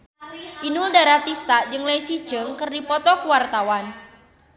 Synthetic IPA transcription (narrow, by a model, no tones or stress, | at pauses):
ʔinuldaɾat̪ist̪ad͡ʒɨŋlaisi̥d͡ʒəŋkɨrdipɔt̪ɔkuwart̪awan